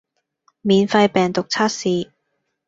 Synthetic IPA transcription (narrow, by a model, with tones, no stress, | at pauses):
miː˨˧nfɐ˧jpɛː˨˩ŋt̪ʊ˨k̚t͡sʰaː˥t̚siː˨